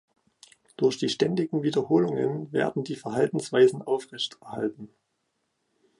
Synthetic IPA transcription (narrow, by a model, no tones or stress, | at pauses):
d̥ʊɐçd̥iːʃtɛndɪɡŋ̩viːdɐhoːlʊŋənvḛːɐdn̩diːfɛɐɦaltn̩sv̥aɪzn̩ʔaʊfʁ̥ɛçtɛɐha̰ltn̩